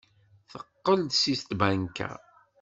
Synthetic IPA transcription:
θəqːəld̪sist̪bænkæ̰

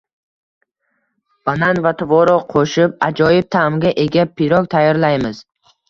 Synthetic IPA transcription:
b̥ananvat̪ʰʊvɒɾɒqʰoʃɪpad͡ʒɒjɪb̚t̪ʰamɡʲaʔe̞ɡʲapʰːɪɾɒk̚ʲt̪ʰajɒɾlajmɪz̥

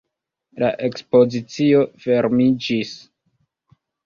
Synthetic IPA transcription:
la̰ʔe̞kspo̞zit͡sio̞fe̞ɾmid͡ʒis

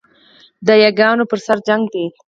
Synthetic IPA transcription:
d̪əjaɡɑnopəɾsaɾd͡ʒaŋɡd̪e

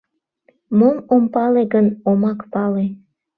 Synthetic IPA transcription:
momompɑleɡənomɑkpɑle

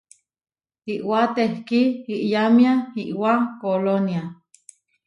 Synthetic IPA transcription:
iʔwat̪ehkiiʔjamjaiʔwakolonja

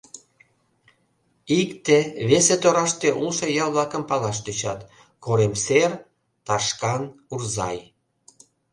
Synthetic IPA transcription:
ikt̪eβeset̪oɾɑʃt̪eʔulʃojɑlβlɑkəmpɑlɑʃ̬t̪øt͡ɕɑt̪ | koɾemser | t̪ɑʃkɑnurzɑ̰j

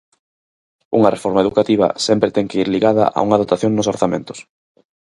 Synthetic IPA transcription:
uŋɐrefɔɾmaeðukat̪iβɐ̰sɛmpɾet̪ɛŋkeiɾliɣað̞ɐ̰ʔa̰uŋaðot̪aθjoŋnʊsoɾθamḛ̃nt̪ʊ̥s

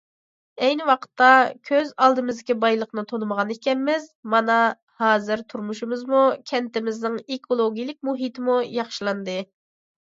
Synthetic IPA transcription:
ɛjnɪwɑqʰə̥t̪ːɑkʲʰøzɑlˠd̪ɨmɨzd̪ɪkʲibɑjlˠəqnɨt̪ʰonɨməʁɑnekʲɛnmɪzmɑnɑ | hɑːzɨɾt̪ʰuɾmuʃumɨzmukʲʰɛnt̪ɪmɪznɪŋekʰolˠoɡʲijlˠɪk̚ʲmuɦit̪ʰɪmujɑχʃilˠɑnd̪ɨ

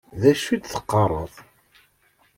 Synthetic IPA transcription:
ðæʃid̪θə̥qːɑɾˤəðˤ

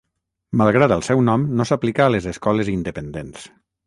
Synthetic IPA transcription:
malˠɣ̞ɾat̪əlˠsɛwnɔmnosaplikaːlezeskɔlezind̪əpənd̪ens

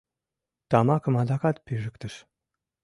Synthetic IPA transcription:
t̪ɑmɑkɤ̆mɑd̪ɑkɑt̪̚pyʒə̆kt̪ə̆ʃ

